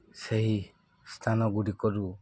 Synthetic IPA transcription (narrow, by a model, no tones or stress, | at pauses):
seɦi | st̪ʰanɔɡuɾikɔɾu